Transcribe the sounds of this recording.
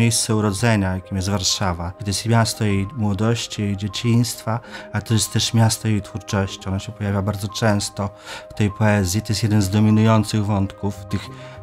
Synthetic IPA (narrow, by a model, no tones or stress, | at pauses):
ejst̪sɛuɾɔd̪zɛɲajakʲimjɛst̪vaɾʂavad̪jɛst̪mʲjast̪ɔjejmwɔd̪ɔɕt͡ɕijejd͡ʑet͡ɕij̃st̪faaɛt̪ɔjɛst̪t̪ːɛʂmʲjast̪ɔjejt̪fuɾt͡ʂɔɕt͡ɕiɔnɔɕɛpɔjavʲjabaɾd̪zɔt͡ʂɛ̃w̃st̪ɔft̪ɛjpɔɛzʲjit̪ɔjɛsjɛd̪ɛnzd̪ɔmʲinujɔnt̪sɘɣvɔnt̪kuft̪ɘx